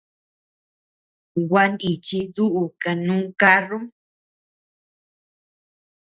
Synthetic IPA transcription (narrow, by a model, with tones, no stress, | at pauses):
ɡwʷa˧ni˨t͡ʃi˧ðu˦ʔu˨ka˨nũː˦ka˦ru˦